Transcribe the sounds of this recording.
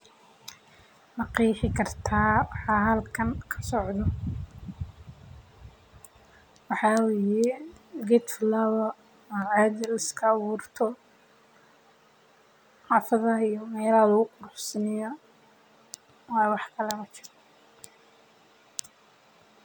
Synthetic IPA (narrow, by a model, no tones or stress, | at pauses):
mɐqijħɪkʰɐrt̪ʰaːwɑħɑːɦɐlkʰɐŋkʰɐ̥sɔʕd̪ɔ | wɑħɑweːjɛɡɛt̪flɐβɐ | ʕad̪ɪlɪskʰɐːβuːrt̪ʰɔ | ħɑːfɐðɐijɔmɛːlɐlʊɣʊqʊɾʊħsɐnɪjɔ | wɑːjwɑħkʰɐlɛmɐt͡ʃɪ̥r